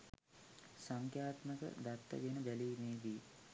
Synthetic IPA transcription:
saŋkjaːt̪məkə̰d̪at̪ːə̰ɡenəbæliːmeːʋi

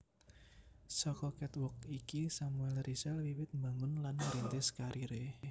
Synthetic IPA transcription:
sɔkɔkɛt̪wʊk̚ikisamuɛlrisɛlwiwɪt̪̚mbaŋʊnlanmɾint̪ɪskaɾʔiɾe

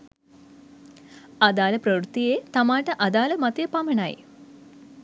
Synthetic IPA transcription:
ad̪aːləpɾəwɾut̪ːijeːt̪amaːʈəʔad̪aːləmat̪ijəpamənaj

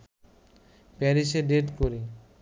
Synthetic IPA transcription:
pɛɾiʃeɖeʈkoɾi

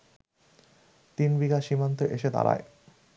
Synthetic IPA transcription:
t̪inbiɡaʃimant̪oʔeʃed̪a̰ɾa̰e

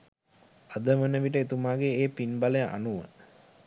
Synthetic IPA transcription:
ad̪əʋənəʋiʈ̬əet̪umaːɡeːpinbaləjəʔa̰nuʋə̰

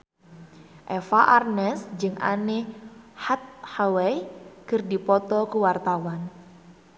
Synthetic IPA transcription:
ʔɛfaʔarnɛsd͡ʒɨŋʔa̰nehat̪̚hawɛjkɨrdipɔt̪ɔkuwart̪awan

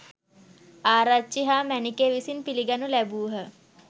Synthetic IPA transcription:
aːɾat͡ʃːiɦaːmænikeːʋisinpiliɡanulæbuːɦə

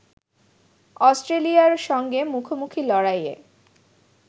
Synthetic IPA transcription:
ɔsʈɾelijaɾʃɔŋɡemukʰomukʰilɔɽajḛ

